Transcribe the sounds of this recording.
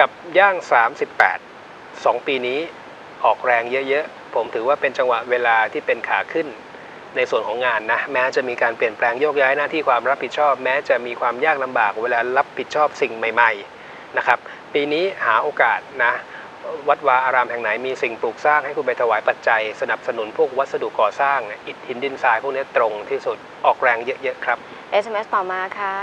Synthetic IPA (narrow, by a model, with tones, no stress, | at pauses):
ka˨˩p̚jaː˥˩ŋsaː˩˦msi˨˩pːɛ̰ː˨˩t̪̚ | sɔː˩˦ŋpiː˧niː˦˥ | ʔɔː˨˩k̚ɾɛː˧ŋjɤ˦˥ʔjɤ˦˥ʔ | pʰo˩˦mt̪ʰɯː˩˦waː˥˩pe˧nt͡ɕa˧ŋwa˨˩ʔweː˧laː˧t̪ʰiː˥˩pe˧nkʰaː˨˩kʰɯ˥˩nː | a˧jsu˨˩ənkʰɔː˩˦ŋaː˧nːa˦˥mɛː˦˥t͡ɕa˨˩ʔmiː˧kaː˧npli˨˩ənplɛː˧ŋjoː˥˩k̚jaː˦˥jnaː˥˩t̪ʰiː˥˩kʰwaː˧mɾa˦˥pʰːi˨˩t̪̚t͡ɕʰɔː˥˩p̚mɛː˦˥t͡ɕa˨˩ʔmiː˧kʰwaː˧mjaː˥˩k̚la˧mbaː˨˩k̚weː˧laː˧ɾa˦˥p̚ʰːi˨˩t̪̚t͡ɕʰɔː˥˩p̚si˨˩ŋma˨˩jma˨˧j | na˦˥kʰɾa˦˥p̚ | piː˧niː˦˥haː˩˦ʔoː˧kaː˨˩t̪̚na˦˥ | wa˦˥t̪̚waː˧ʔaː˧ɾaː˧mɦɛ˨˩ŋna˩˦jmiː˧si˨˩ŋpuː˨˩k̚saː˥˩ŋha˥˩jkʰuː˧np̬a˧jt̪ʰa˧waː˩˦jpa˨˩t̪̚t͡ɕa˧jsa˧na˨˩p̚sa˧nu˩˦npʰu˥˩ək̚wa˦˥t̪̚sa˧du˨˩kːɔː˨˩saː˥˩ŋni˥˩ʔi˨˩t̪̚hi˩˦ndi˧˥˩nsaː˧jpʰu˥˩kni˦˥ɐt̪ɾo˧ŋt̪ʰiː˥˩su˨˩t̪̚ʔɔː˨˩k̚ɾɛː˧ŋjɤ˦˥ʔjɤ˦˥kʰɾa˦˥p̚ | ʔe˧se˧me˦˥st̪ɔː˨˩maː˧kʰa˦˥